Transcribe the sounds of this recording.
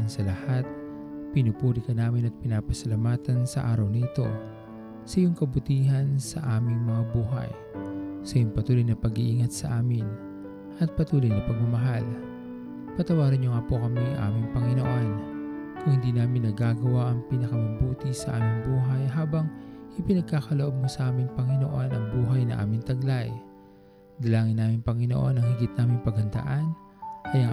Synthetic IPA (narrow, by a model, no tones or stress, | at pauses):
nsɐlɐhat̪̚ | pɪnʊpuːɾɪkɐnaːmɪnɐt̪̚pɪnaːpɐsɐlamaːt̪ɐnsɐ̰ʔa̰ːɾɐwnɐʔɪt̪o̞̰ | sɐjʊŋkɐbʊt̪iːɦɐnsɐ̰ʔaːmɪŋmɐŋabuːɦɐ̰j | sɐjʊŋpɐt̪uːlojnɐpɐɡiʔiːŋɐt̪̚sɐʔaːmɪn | ʔɐt̪̚pɐt̪uːlojnɐpɐɡ̚mɐmɐɦal | pɐt̪ɐwaːɾɐnɲoŋapokɐmiŋʔa̰ːmɪŋpɐŋɪnoʔonkʊŋhɪnd̪iːnaːmɪnːɐɡaːɡɐwaʔɐŋpinɐkɐmɐbuːt̪ɪsɐʔa̰ːmɪŋbuːɦɐjɦaːbɐŋʔɪpɪnɐɡ̚kaːkɐloʔo̞b̚mosɐʔaːmɪŋpɐŋɪno̞̰ʔo̞nʔɐŋbuːɦɐjnɐ̰ʔa̰ːmɪŋt̪ɐɡlaj | d̪ɐlaːŋɪnːaːmɪŋpɐŋɪno̰ʔo̞nɐŋhɪɡɪt̪̚naːmɪŋpɐɡhɐnd̪ɐ̰ʔan | kɐjɐ